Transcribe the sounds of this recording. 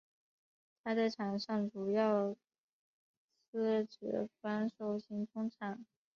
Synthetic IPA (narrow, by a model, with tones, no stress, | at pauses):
t̪ʰa˥d̪ə˧˩ʈ͡ʂʰa˨˩ŋʂɑ˥˩ŋʈ͡ʂu˨˩jɑ˥˩ʊ | sɹ̩˥ʈ͡ʂɤ̰˧˥fa˥nʂo˥˩ʊɕi˥nʈ͡ʂʰʊ˥ŋʈ͡ʂʰa˨˩˦n